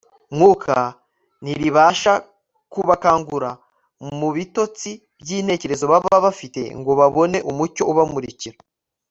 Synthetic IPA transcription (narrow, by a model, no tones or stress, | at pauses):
mŋuːkʰa | niɾiβaːʃa | kuβakaːŋɡuɾa | muβito̞t͡si | bɟiːne̞ːce̞ɾe̞zo̞βaβaβafite̞̰ŋɡo̞βaβo̞ne̞ʔumuco̞ʔuβamuɾiciɾa